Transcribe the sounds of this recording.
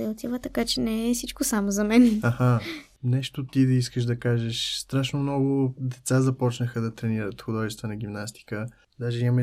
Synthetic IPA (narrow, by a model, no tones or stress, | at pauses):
ɛot̪ivət̪ɐkat͡ʃɛnɛɛfsit͡ʃkosamozɐmɛnɐxa | nɛʃt̪ot̪id̪ɐiskəʃd̪ɐkaʒəʃst̪ɾaʃnomnɔɡʊd̪ɛt̪sazɐpɔt͡ʃnəxəd̪ɐt̪ɾɛniɾət̪xod̪ɔʒist̪vənɐɡ̟ʲimnast̪i̥kə | d̪aʒɛim